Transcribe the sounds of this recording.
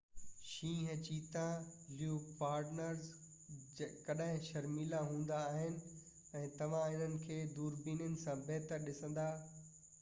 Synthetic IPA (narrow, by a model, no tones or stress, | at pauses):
ʃĩːɦɐt͡ɕiːt̪ãljuːpaːɾʈnəɾz | kɐɗaɦɪ̃ʃɐɾmiːlaɦũːn̆d̪aːɦɪnɪ̆ | ɛ̃ːt̪ɐʋ̤ãɪn̤ənɪ̆kʰeːd̪uːɾbiːnjənɪ̆sãbɛɦt̪əɾɗɪsə̃nd̪aː